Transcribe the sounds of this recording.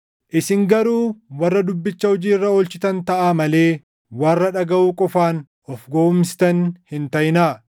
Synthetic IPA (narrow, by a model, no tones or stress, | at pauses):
ʔɪsɪŋɡɐɾuːwɐrːɐd̪ʊbːɪt͡ʃːɐhɔd͡ʒiːrːɐɔlt͡ʃɪt̪ɐnt̪ɐʔaːmɐle̞ː | waːrːɐᶑɐɡɐʔuːkʼɔfaːn | ɔfɡoʊmɪst̪ɐnhɪnt̪ɐjnaː